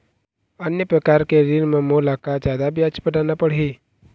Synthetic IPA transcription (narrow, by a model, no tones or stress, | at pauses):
ənjəpɾəkaːɾkeɾinmẽmoːlakad͡ʒjaːd̪abjat͡ʃpəʈanapəɽ̤i